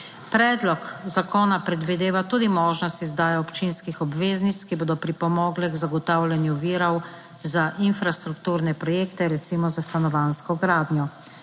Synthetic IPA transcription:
pɾɛːd̪lɔkzakɔːnapɾɛd̪ʋid̪eːʋat̪uːd̪imɔːʒnɔst̪izd̪aːjaɔpt͡ʃinskixɔbʋeːznit̪kiboːd̪ɔpɾipɔmɔːɡlɛɡzaɡɔt̪awlʲɛnjuʋiːɾɔw | zaʔinfɾast̪ɾukt̪uːɾnɛpɾɔjeːkt̪ɛɾɛt̪simɔzast̪anɔʋaːnskɔɡɾaːd̪njɔ

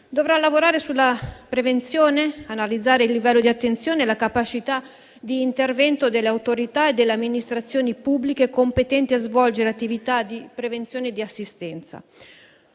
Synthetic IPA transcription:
d̪ovɾalavoɾaːɾesulːapɾevent̪sjoːneanalid̪zːaːɾeilːivɛlːod̪iat̪ːent̪sjoːnelakapat͡ʃit̪a | d̪iːnt̪ervɛnt̪od̪elːeawt̪oɾit̪aed̪ːeleamːinist̪ɾat̪sːjoːnipubːlikekompet̪ɛnt̪iazvɔld͡ʒeɾeat̪ːivit̪ad̪ipɾevent̪sjoːned̪iasːist̪ɛnt̪sa̰

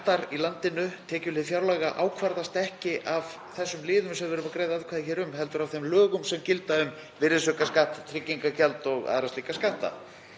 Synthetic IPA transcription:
t̪aɾilant̪ɪnʏt̪ʰɛːcʏlɪðfjaɾlaːɣaʔaːwkʰvaɾðast̪ɛhcɪʔav̥ | θɛsːʏmlɪːðʏmsɛmvɛːɾʏmakɾeːjðaaðkʰaːðɪçɛːɾʏmɦɛlt̪ʏɾavθejmlœːɣʏmsɛmcɪlt̪aʏm | vɪɾɪsœkaskaht̪t̪ʰɾɪcːiŋkacɛlt̪ɔɣa̰ːðɾasliːkaskaht̪a̰

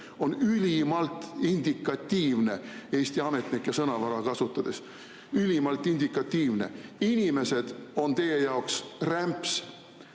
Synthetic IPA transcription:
o̞nylʲimɑlt̪ind̪̥ikːˑɑt̪ːiːvne̞e̞ːst̪iɑme̞t̪nikjɑsɤnɑvɑɾɑkɑsut̪ːˑɑd̪̥e̞s | ylimɑlt̪ˑːind̪ikːˑɑt̪ːiːvne̞̰inʲime̞se̞d̪̥o̞nt̪e̞je̞jɑoksræmps

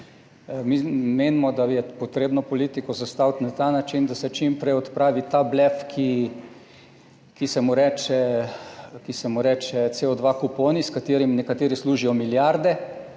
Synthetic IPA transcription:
mimeːnimɔd̪ajɛpot̪ɾeːbnɔpɔliːt̪ikɔzast̪awt̪nat̪aːnat͡ʃind̪asɛt͡ʃimpɾɛjɔt̪pɾaːʋit̪ablɛfkʰi | kisɛmuɾɛːt͡ʃɛ | kisɛmuɾɛːt͡ʃɛt̪seɔd̪ʋakupoːniskat̪eːɾimnɛkat̪eːɾisluːʒijɔmiljaɾd̪ɛ

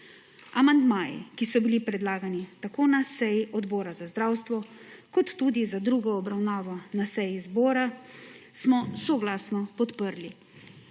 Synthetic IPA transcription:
amand̪maːjḭkisɔbilipɾɛd̪laːɡanit̪akoːnasɛjiʔɔd̪bɔːɾazazd̪ɾaːwst̪ʋɔkɔt̪ːud̪izad̪ɾuːɡɔːbɾawnaːʋɔnasɛjizbɔːɾasmɔsɔɡlaːsnɔpɔt̪pəɾli

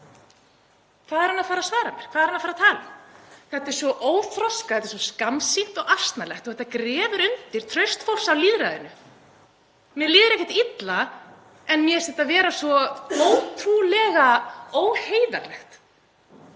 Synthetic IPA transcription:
kʰvaːðɛɾhanːafaːɾasvaːɾamjɛɾ̥kʰvaðɾanːafaɾat̪ʰaːlʏmkθɛht̪ɛɾ̥svɔʔoːwθɾɔskaθɛt̪ɛɾsvɔskamsiht̪ɔɣḁst̪nalɛxt̪ɔhθɛt̪ːakɾɛːvʏɾʏnt̪ɪɾ̥t̪ʰɾœɥst̪fowl̥sawliːðɾaðɪnʏ | mjɛliːðʏɾɛhcːɛht̪it̪la | ɛnmjɛsɛht̪avɛːɾasvɔoːwt̪ʰɾulɛɣaoːwheːjða̰ɾlɛxt̪

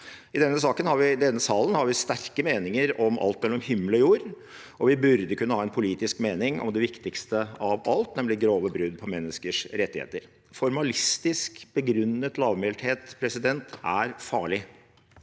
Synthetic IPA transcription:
ɪd̪ɛnːəs̬ɑːkənhɑɾʋɪd̪ɛnːəsɑːlənhɑɾʋɪst̪æɾkəmeːnɪŋəɾɔmʔɑ̰lt̪̚mɛlːəɾɔmhɪmːlɔjuːɾ | ʔɔʋɪbʉɾd̪əkʰʉnːəhɑːɛnpʰʊliːt̪ɪskmeːnɪŋʔɔ̰md̪ɛʋɪkt̪ɪkst̪əɑʋɑlt̪nɛmlɪɡɾoːʋəbɾʉd̪̚pʰɔmɛnːəskəʂɾɛt̪ːɪhḛːt̪əɾ | fɔɾmɑlɪst̪ɪskb̥əɡɾʉnːət̪lɑːʋmelʈ̪heːt̪pʰɾɛsɪd̪ɛnt̪æɾfɑːɭɪ

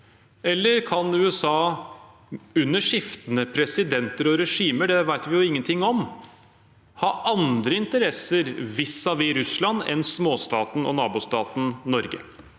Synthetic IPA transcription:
ɛlːəɾkʰɑnʉːɛsɑː | ʉnːəʂɪft̪ənəpʰɾɛsɪd̪ɛnt̪əɾɔɾɛʂiːməɖɛʋæɪt̪ʋɪjʊɪŋːənt̪ʰɪŋːɔm | hɑːʔɑnd̪ɾəɪnt̪əɾɛsəɾʋɪsːɑʋɪɾʉslɑnɛ̰nsmoːst̪ɑːt̪n̩ɔ̰nɑːbʊst̪ɑːt̪n̩nɔɾɡə̰

